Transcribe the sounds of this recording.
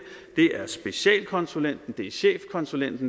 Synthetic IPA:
d̥e̝ʔæɐsb̥e̝ɕɛ̰ːlkʰɒ̽nsulen̰d̥n̩d̥e̝ɕḛːfkʰɒ̽nsulen̰d̥n̩

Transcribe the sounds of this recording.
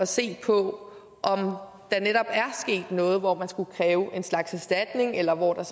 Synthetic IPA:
ɒ̽se̝̰ːpʰɒ̽ | ʔɒ̽m | d̥ɑ̈neɾ̥ɒ̽b̥æɐsɡ̥e̝̰ːd̥nɔ̽ːð̞̩ˠʋɒmænsɡ̥ukʰʁɛːʊʔe̝nslɑ̈ɡ̥sæsd̥æd̥ne̝ŋelɐʋɒd̥ɑ̈

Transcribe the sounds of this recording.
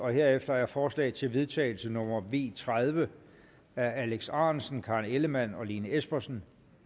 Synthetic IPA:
ɒ̽he̝ɐ̰efd̥ɐæɐfɒːslɛ̰ːɪt͡sʰe̝lʋe̝ð̞ˠt͡sʰɛ̰ːɪl̩sənɔ̽m̰ɐʋe̝̰ːt͡sʰʁað̞ˠʋə | ææleɡ̥sɑ̈ːnsn̩kʰɑ̈neləmæn̰ɒ̽liːnəesb̥ɐsn̩

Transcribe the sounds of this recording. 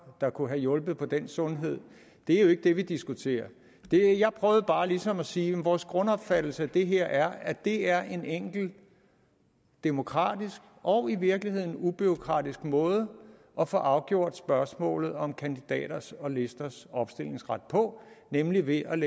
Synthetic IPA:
d̥ɑ̈kʰuɦæjɔ̽lb̥ð̩ˠpʰɒ̽d̥en̰sɔ̽nɦe̝ð̞̰ˠ | d̥e̝æɐjoe̝ɡ̥əd̥e̝ʋid̥isɡ̥ut͡sʰe̝̰ːɐ | d̥e̝jɑ̈ɪpʰʁœːʊð̞̩ˠb̥ɑ̈ːlisɒ̽mæsiːjemʋɒːsɡ̥ʁɔ̽nɒ̽b̥fæd̥l̩səæd̥e̝ɦeɐ̰ʔæɐæd̥e̝æɐʔe̝neŋ̰ɡ̥l̩ | d̥e̝mo̝kʰʁɑ̰̈ːd̥isɡ̥ | ʔɒ̽ʊiʋiɐɡ̥lihe̝ð̰ˠn̩ub̥yo̝kʰʁɑ̰̈ːd̥isɡ̥mɔ̽ːð̞ˠə | ʔɒ̽fɔʔɑ̈ʊɡ̥jo̝ɐ̰d̥sb̥ɶɐsmɔ̰̽ːlð̩ˠɒ̽mkʰænd̥id̥ɛ̰ːɾ̥ɐsɒ̽le̝sd̥ɐsɒ̽b̥sd̥e̝l̰e̝ŋsʁɑd̥̚pʰɒ̽nemliʋe̝ʔæ

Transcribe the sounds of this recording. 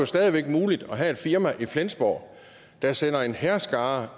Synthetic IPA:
jo̝sd̥ɛːð̞ˠiʋeɡ̥muːlid̥ɒ̽ɦæe̝d̥fiɐmæʔiflensb̥ɒ̰ː | d̥ɑsen̰ɐe̝nhæɐsɡ̥ɑ̈ː

